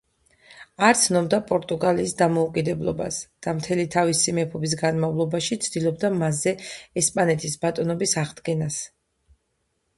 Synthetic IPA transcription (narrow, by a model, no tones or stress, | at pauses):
aɾt̪sʰnɔbd̪apʼɔɾt̪ʼuɡaliːsd̪amɔukʼid̪ɛblˠɔ̰ba̰sd̪̥amt̪ʰɛlit̪ʰavisimɛpʰɔbis̬ɡanmavlˠɔbaʃit̪sʰd̪̥ilˠɔb̚d̪amasɛɛspʼanɛt̪ʰisbat̪ʼɔnɔbisaʁd̪ɡɛnas